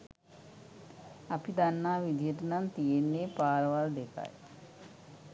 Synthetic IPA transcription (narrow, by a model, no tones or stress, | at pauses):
ɐpid̪anːaːʋid̪ʱijəʈɐnant̪ijenːeːpaːɾʋaɾd̪eka̰j